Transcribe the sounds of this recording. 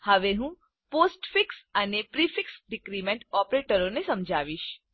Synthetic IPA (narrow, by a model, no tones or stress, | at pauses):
həʋeɦũ | poːsʈfɪksənepɾifʰɪksɖɪkɾiːmɛ̃ɳʈɔːpɾeːʈəɾõnesɐmd͡ʒʱaːʋiʃ